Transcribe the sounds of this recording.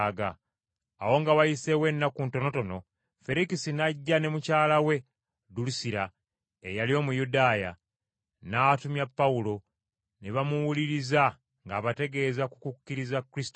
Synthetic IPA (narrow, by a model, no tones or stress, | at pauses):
ɡaː | wo̞ŋɡawajise̞we̞nːakunto̞no̞to̞no̞ | fe̞ɾikisinaɟːane̞mucaːlawe̞ | dulusiɾa | ejalio̞ːmujudaːja̰ | naːtumjapːaulo̞ | neβamuwuliɾiza | ŋɡaːβate̞ɡe̞zakukukːiɾizakːɾisi̥to